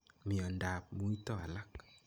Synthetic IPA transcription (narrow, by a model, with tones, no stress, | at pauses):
mi˨ɔ˨nda˨p̚mu˨i˦tɔ˦a̰˨la˦k